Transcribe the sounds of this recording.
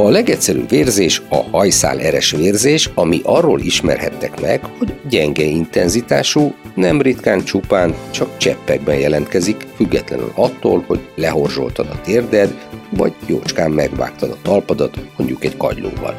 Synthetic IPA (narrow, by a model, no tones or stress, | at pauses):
ɒlɛɡɛcsɛɾy̰bveːrzeːʃɒ̰hɒjsa̰ːlʔɛɾɛʃʋeːrzeːʃɒmiʔɒrːoːlʔiʃmɛ̰rhɛt̪ːɛkmɛɡho̞ɟɟɛŋɡɛint̪ɛnzit̪aːʃunɛmrit̪kaːnt͡ʃupaːnt͡ʃɒkt͡ʃɛpːɛɡ̚bɛnjɛlɛnt̪kɛzikfyɡːɛt̪lɛny̰lɒt̪ːo̰ːlho̞ɟlɛɦo̞rzo̞̰lt̪ɒd̪ɒt̪eːrd̪ɛd̪vɒɟjoːt͡ʃkaːmːɛɡʋa̰ːk̚t̪ɒd̪ɒt̪ɒlpɒd̪ɒt̪mo̞̰ɲɟukɛɟkɒ̰ɟlo̰ːvɒ̰l